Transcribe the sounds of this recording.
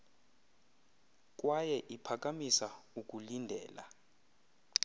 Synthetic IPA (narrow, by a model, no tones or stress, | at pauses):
k̬ʼwajɛʔipʰak̬ʼamisauk̬ʼulindʱɛ̰ːla̰